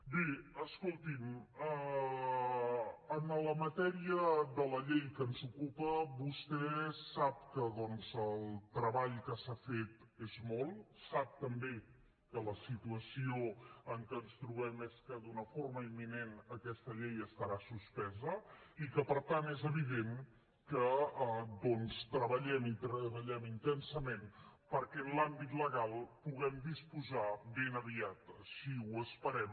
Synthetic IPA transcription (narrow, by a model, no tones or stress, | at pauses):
beəskolˠt̪imə | ənələmət̪ɛɾiəðələʎejkənzukupəβust̪ɛsap̚kəðɔnzəlˠt̪ɾəβaʎkəsafet̪ezmɔlˠsap̚t̪əmbe | kələsit̪uəsioəŋkəːnst̪ɾuβɛmɛskəd̪unəforməimːinenəkɛst̪əʎejəst̪əɾasuspɛzəikəpəɾt̪anezəβiðen | kə | d̪ɔnst̪ɾəβəʎɛmit̪ɾəβəʎɛmint̪ɛnsəmenpəɾkɛənlambit̪ləɣalˠpuɣ̞ɛmd̪ispuzaβenəβiat̪siwəspəɾɛm